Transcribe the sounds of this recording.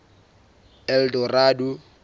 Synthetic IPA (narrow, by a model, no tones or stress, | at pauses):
ɛldɔraːdu